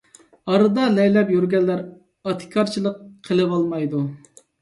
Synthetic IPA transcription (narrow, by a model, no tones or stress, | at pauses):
ɑɾɨd̪ɑlɛjlɛpjyɾɡʲɛlːæɾ | ɑt̪ʰɪ̥kʲʰɑɾt͡ʃʰilˠəqʰːəlˠɨvɑlˠmɑjd̪u